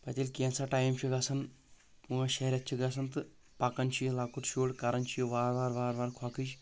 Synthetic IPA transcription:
pɐt̪ʲilkẽnsaʈaːjmt͡ʃʰiɡasɐn | puʋaʃɐɦɾʲat̪̚t͡ʃʰiɡasɐnt̪ɨ | pakɐnt͡ʃʰilaːkut̪ʃoːɽkaɾɐnt͡ʃʰiʋaːɾʋaːɾʋaːɾʋaːɾkʰwakʰɨt͡ʃ

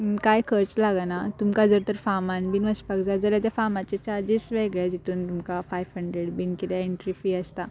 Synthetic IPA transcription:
kajkʰəɾt͡slaɡanat̪umkad͡zəɾt̪əɾfamãnbinʋəɕpakd͡zad͡zaljat̪ɛfamat͡ɕet͡ɕaɾd͡ʑisʋeɡɭjad͡ʑit̪ʰuːnt̪umkafajʋɦəɳɖɾeɽbinkilɛeɳʈɾifiəst̪a

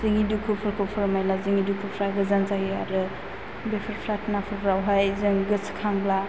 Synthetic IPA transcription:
zɯŋidukʰupʰɯɾkʰɯpʰɯɾmajlazɯŋidukʰupʰɾaɡɯzansaɡiaɾɯ | bepʰɯɾpʰɾatʰnapʰɯɾbɾawɦajzɯŋɡɯskʰaŋbla

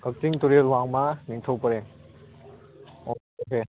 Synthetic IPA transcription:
kɐk̚tiŋtuɾelwaŋmaniŋtʰowpɐɾe | o | oke

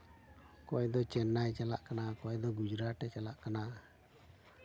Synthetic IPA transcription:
kɔjd̪ɔt͡ʃɛnːajt͡ʃalaʔkanakɔjd̪ɔɡud͡ʒɾaʈɛt͡ʃalaʔkana

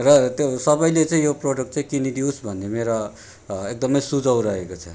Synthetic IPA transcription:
rʌt̪josʌbʌjlet͡saĩjoproɖʌk̚ʈt͡saĩkinidiusbʱʌnːemeɾo | ek̚d̪ʌmʌjsud͡zʌw̃ɾʌɦekot͡sʰʌ

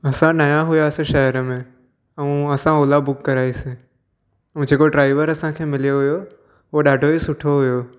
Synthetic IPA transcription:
ɐsãnajãɦʊjasẽʃɐɦəɾəmẽ | əũɐsãoːlabʊkːɐɾaːise | ũd͡ʒeːkoɖɾaːɪʋəɾɐsãkʰeːmɪlijoɦʊjo | ɦoɗaːɖʱoisʊʈʰoɦʊjoː

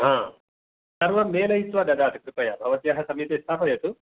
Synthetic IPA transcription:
ɦãː | sɐɾʋɐmːeːlɐjisʋaːd̪ɐd̪aːt̪ikɾupɐjaːbʱɐʋɐt̪ijaːɦɐsɐmiːt̪ɐst̪ʰaːpʰɐjɐt̪u

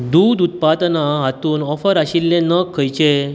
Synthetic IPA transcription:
d̪uːd̪ut̪̚pad̪naɦat̪uːnɔfəɾaɕilːẽnəkʰːəjt͡ɕe

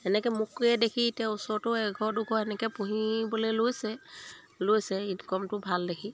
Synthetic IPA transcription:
ɛnɛkɛmukɛdekʰitaʊsɔɹtʊɛɡʱɔdukʰɔɛnɛkɛpuɦibɔlelojsɛ | lojsɛitkɔmtʊbʱaldekʰi

